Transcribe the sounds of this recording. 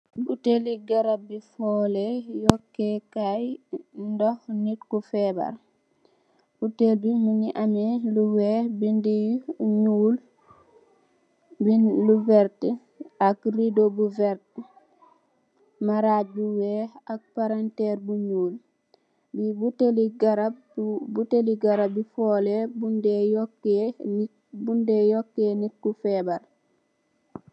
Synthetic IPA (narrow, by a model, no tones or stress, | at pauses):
buteliɡaɾabifɔːlejɔkːekajndɔhnitkufɛba̰ɾ | b̥utelbimuɲiʔamiluwɛbindijɲuːl | binluvɛɾt | akɾidobuvɛɾt | maɾaːbuwɛak̚paɾantɛɾbuɲuːl | bibuteliɡaɾa | buteliɡaɾabifɔːlɛbundɛjɔkːɛ | bundɛjɔkːenikːufɛːbal